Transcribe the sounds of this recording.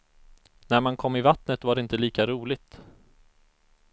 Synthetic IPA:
næɾmankʰɔmːɪvat̪nət̪vaɖɛɪnt̪əliːkaɾuːlɪt̪

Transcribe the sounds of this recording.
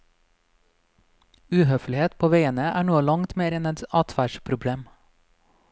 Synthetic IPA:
ʉːhœflɪheːt̪pʰoːʋeɪənəʔæːɳoːlɑŋt̪meːɾɛnɛt̪ɑːt̪ʰʋæʃpʰɾʊbɽeːm

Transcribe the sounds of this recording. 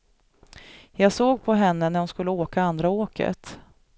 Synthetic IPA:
jɑːɡsoːɡpʰɔɦɛnːənæɾhʊnskɵlːəoːkaand̪ɾaoːkʰə̰t̪

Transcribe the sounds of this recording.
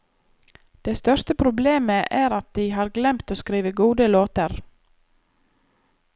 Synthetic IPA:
d̪̥ɛst̪œɾʂt̪əpʰɾʊbleːməʔæːɾɑt̪̚d̪ɪɪɦɑːɾɡlɛmt̪oːskɾiːʋəɡuːd̪əloːt̪əɾ

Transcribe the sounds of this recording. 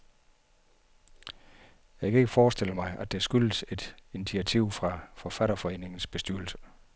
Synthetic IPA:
jɑ̈ɪkʰæe̝ɡ̥əfɒːsd̥e̝ləmɑ̈ɪæ̥e̝sɡ̥ylse̝d̥init͡sʰiæt͡sʰiʊ̰fʁɑ̈fɒfæɾɐfɒ̽e̝̰ːne̝ŋn̩sb̥e̝sd̥yɐ̰lsə̥

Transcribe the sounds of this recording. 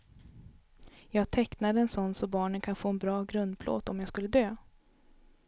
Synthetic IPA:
jɑːɡt̪ʰɛknad̪əɛnsɔnːsɔbɑːɳənkʰanfoːɛnbɾɑːɡɾɵnd̪̚pʰlo̰ːt̪ɔmjɑːɡskɵlːəd̪øː

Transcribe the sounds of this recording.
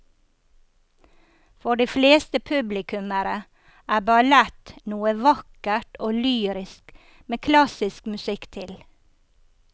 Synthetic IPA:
fɔɖiːfleːst̪əpʰʉblɪkʉməɾə | ʔæːbɑlɛt̪nuːəʋɑkəʈoːlyːɾɪsk | meːkʰlɑsɪskmʉsɪkt̪ʰɪl

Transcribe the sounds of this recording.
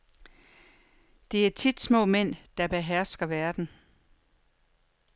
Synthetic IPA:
d̥e̝æɐt͡sʰid̥smɔ̰̽ːmen̰d̥ɑ̈b̥e̝ɦæɐsɡ̥ɐʋæɐd̥n̩

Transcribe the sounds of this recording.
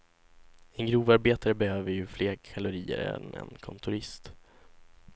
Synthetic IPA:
ɛnɡɾuːvaɾbeːt̪aɾəbɛhøːvəɾjɵfleːɾkʰalʊɾiːə̰ɾɛ̰nɛ̰nkʰɔnt̪ʰʊɾɪst̪

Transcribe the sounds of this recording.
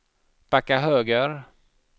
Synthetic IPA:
pakːaɦøːɡəɾ

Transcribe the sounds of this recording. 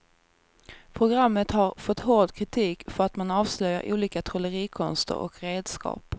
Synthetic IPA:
pʰɾʊɡɾamːət̪haɾfɔt̪ːɦoɖkʰɾɪt̪ʰiːkfœɾat̪manɑːvslœja̰ɾʔṵːliːkat̪ʰɾɔləɾiːkʰɔnst̪ə̰ɾɔ̰kɾeːd̪skʰɑ̰ːp

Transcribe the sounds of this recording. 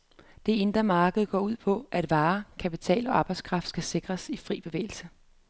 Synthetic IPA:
d̥e̝e̝nd̥ʁɐmɑ̈ːɡ̥əð̞̩ˠɡ̥ɒ̰ːuð̞̰ˠpʰɒ̽ʔæd̥ʋɑ̈ːkʰæpit͡sʰɛ̰ːlɒ̽ɑ̈ːb̥ɑ̈ɪskʰʁɑ̈fd̥sɡ̥æse̝ɡ̥ʁɐsifʁḭːb̥e̝ʋḛːɪl̩sə

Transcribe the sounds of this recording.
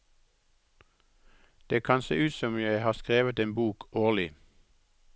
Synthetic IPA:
d̪̥eːkʰɑnsḛːʔʉːt̪sɔmjæɪhɑːskʁeːʋət̪eːnbuːkʰoːʁlɪ

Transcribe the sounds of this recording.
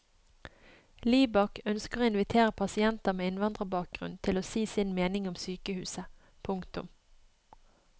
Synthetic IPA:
liːbɑkʰœnskəʁoːɪnʋɪt̪ʰeːʁəpʰɑsɪɛnt̪ɑmeːɪnʋɑnd̪ʁəbɑːk̚ɡ̥ʁʉ̰nt̪ʰɪloːsiːsɪnmeːnɪŋʊmsyːkəhʉ̰ːsə | pʰʊŋkt̪ʉ̰m

